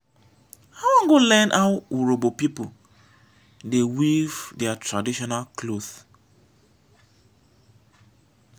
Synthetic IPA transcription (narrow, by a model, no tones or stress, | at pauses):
awɔ̃ŋɡolɛ̃nʔawuɹobopipu | dewivdɛatɹadiʃɔnalkloθ